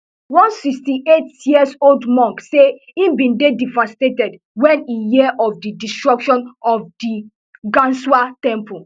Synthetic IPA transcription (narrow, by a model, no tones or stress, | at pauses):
wɔ̃nsikstiʔetjiəsoldmɔ̃ŋkse | ĩmbĩndedivastetɛd | wɛ̃nijiɛʔɔfdidistɹɔkʃɔ̃nɔfdi | ɡãnswatɛ̃mpu